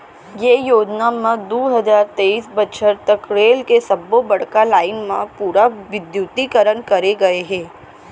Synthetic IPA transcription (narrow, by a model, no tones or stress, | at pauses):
jeːjoːd͡ʒnamãd̪oːɦɐzaːɾt̪eːiːsbətːʃʰəɾt̪ɐkɾeːlkesɐbːobɐɽ̤kalaːɪnmãpuːɾaʋɪd̪jut̪ikəɾənkɐɾeɡɐeɦɛ̃ː